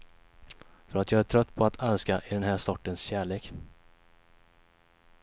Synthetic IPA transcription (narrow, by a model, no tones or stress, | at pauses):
fœɾat̪jɑːæʈʰɾœt̪ːpʰɔat̪ʰalskaʔɪd̪ɛnɦæːsɔʈːənsɕæːɭeːk